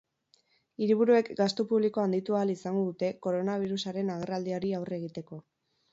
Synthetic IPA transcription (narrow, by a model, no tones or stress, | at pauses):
iɾiβ̞uɾue̞kɡast̪opuβ̞liko̞and̪it̪uaːlisaŋɡo̞ðut̪e̞ko̞ɾo̞naβ̞iɾusaɾe̞naɣerald̪iaɾiawre̞ɣ̞it̪e̞ko̞